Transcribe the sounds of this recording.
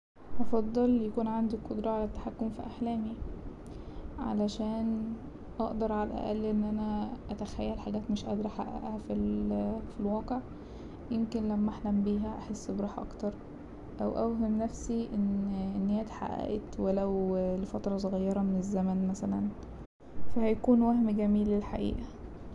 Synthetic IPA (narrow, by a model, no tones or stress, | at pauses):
ʔɑfɑd̪ˤːɑljækuːnʕand̪ikːod̪ɾˤɑʕalæt̪ːaħakːomfiʔaħlæːmi | ʕa̰læʃæːn | ʔɑʔd̪ɑɾˤʕalæʔæ̰ʔælːʔenːʔænæʔæt̪æxæjːælħaɡæːt̪meʃʔɑ̰d̪ɾˤɑħa̰ʔæ̰ʔæhæfilfilwɑːqeʕ | jemkenlæmːæʔaħlæmbiːɦæʔaħesːbɾˤɑːħʔɑ̰kt̪ɑɾˤ | ʔæwʔæ̰wɦemnæfsiʔenʔenːejæːt̪ħa̰ʔæ̰ʔet̪welæwlefæt̪ɾˤɑs̬ˤoɣɑjːɑɾˤɑmenezːæmænmæsælæn | fæhæjkuːnwæhmɡæmiːlːelħaʔḭːʔæ